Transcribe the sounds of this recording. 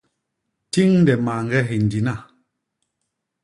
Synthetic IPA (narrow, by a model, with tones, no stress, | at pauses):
ti˦ŋn˦dɛ˨ma˨ŋ̩˦ɡɛ˦ɦe˨n̩˨di˨na˦˨